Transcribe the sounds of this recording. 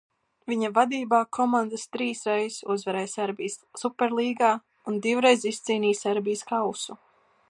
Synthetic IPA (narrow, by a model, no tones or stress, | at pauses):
viɲavad̪iːbaːkʰɔmand̪əst̪ɾiːsɾɛjsuzvaɾɛjsɛɾbijsːupɛɾlˠiːɡaː | und̪iwɾejzist̪siːniːsɛɾbijskawsu